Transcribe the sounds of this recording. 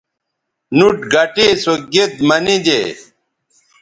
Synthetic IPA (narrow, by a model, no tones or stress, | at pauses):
nuʈɡɐʈesoɡet̪mɐnid͡ʑḛ